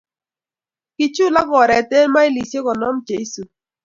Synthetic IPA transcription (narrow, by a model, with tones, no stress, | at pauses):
ki˨t͡ʃu˦la˦ɡɔ˨ɾɛ˨te˦lma˦i˦li˨sje˦kɔ˨nɔ˦md͡ʒe˦su˨